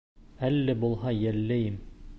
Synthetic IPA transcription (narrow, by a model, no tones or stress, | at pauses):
ælːæbulˠɦɑjælːæjɘm